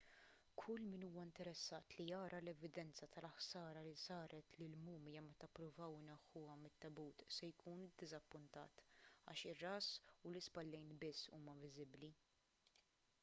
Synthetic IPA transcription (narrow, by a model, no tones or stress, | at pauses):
kʰʊlːmɪnuːwɐɪnt̪ɛɾɛsːɐːt̪lijɐːɾɐlɛvɪd̪ɛnt͡sɐt̪ɐlɐħsɐːɾɐlisɐːɾɛt̪lilmuːmjɐmɛt̪ɐpːɾʊvɐwɪnɛħːʊɐmɪt̪ːɐbuːt̪sɛjkʰuːnd̪ːɪzɐpːʊnt̪ɐ̰ːt̪ɐ̰ːʃɪrːɐːsʊlɪspɐlːɛjnbɪsːuːmɐvɪzɪbli